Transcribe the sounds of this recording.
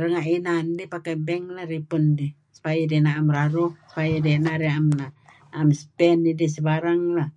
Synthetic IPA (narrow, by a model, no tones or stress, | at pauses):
rəŋainandipakabɛŋlaripundi | spajidɛnaːmraɾuspajidɛnaɾiamnaː | mspɛnːidisibaɾaŋla